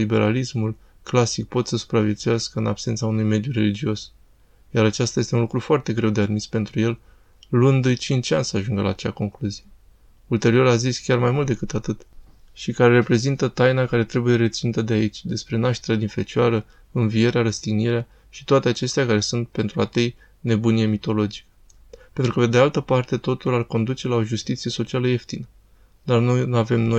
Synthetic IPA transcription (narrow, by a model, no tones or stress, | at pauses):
libe̞ɾalismul | klasik̚po̞t̪səsu̥pɾavjet̪sujaskəɨnab̥se̞nt̪saunujme̞d̪jure̞lid͡ʒio̞s | jaɾat͡ʃast̪ajest̪e̞unlukɾufoart̪e̞ɡɾe̞wd̪e̞ad̪mispe̞nt̪ɾuje̞l | lund̪t͡ʃint͡ʃanʲsəaʒuŋɡəla̰ːt͡ʃea̰ko̞ŋkluzije | ult̪e̞ɾio̞ɾaziskʲarmajmult̪d̪e̞kɨt̪at̪ɨt̪ʃikaɾe̞ɾe̞pɾe̞zint̪ət̪ajnakaɾe̞t̪ɾe̞buje̞ɾe̞t̪sinut̪əd̪eait͡ʃʲd̪e̞spɾe̞naʃt̪e̞ɾad̪infe̞t͡ʃaɾə | ɨnvie̞ɾeaɾəst̪iɡniɾea | ʃi̥t̪oat̪e̞at͡ʃe̞st̪eakaɾe̞sunt̪̚pe̞nt̪ɾuat̪ej | ne̞bunije̞mit̪o̞lo̞d͡ʒi̥k | pe̞nt̪ɾukəpe̞d̪ealt̪əpart̪e̞t̪o̞t̪ularko̞nd̪ut͡ʃe̞lao̞ʒust̪it̪sije̞so̞t͡ʃialəe̞ft̪inə | d̪arnojnuave̞mnoj